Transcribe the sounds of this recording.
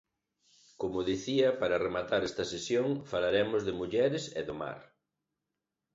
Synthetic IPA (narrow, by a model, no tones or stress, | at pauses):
komʊðiθiɐpaɾɐremat̪aɾɛst̪ɐsesjoŋfalaɾemʊzðɪmuʎɛɾɪsḛðoma̰ɾ